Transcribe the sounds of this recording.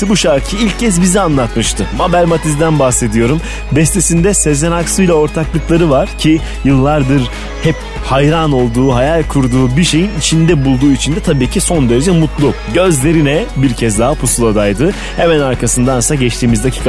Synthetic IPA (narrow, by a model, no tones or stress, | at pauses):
ibuʃaɾcʰiilʲccːɛz̬bizianlˠat̪mɯʃt̪ʰɯmabælʲmat̪ʰizd̪ænbahse̞d̪ijo̞ɾum | bɛst̪ʰesind̪ɛsezenaksɯjlʲao̞ɾt̪ʰaklˠɯklˠaɾɯvaɾ̥cʰi | jɯlˠːaɾd̪ɯɾ | hɛp̚ | hajɾano̞lˠd̪uːɦajalʲkʰuɾd̪uːbiʃe̞jinit͡ʃʰind̪ɛbulˠd̪uːit͡ʃʰind̪ɛt̪ʰabiːcʰiso̞nd̪eɾed͡ʒɛmut̪lˠu | ɟø̞zlʲe̞ɾinɛbiɾcʰɛzd̪aɦapʰusulˠad̪ajd̪ɯ | hemænaɾkʰasɯnd̪ansaɟɛt͡ʃt̪ʰiːmizacʰi̥ːk